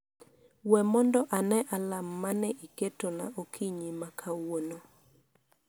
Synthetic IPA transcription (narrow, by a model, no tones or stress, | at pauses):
wɛmɔndɔʔanɛʔalamːanɛʔiketonaʔokʰiɲimakʰawono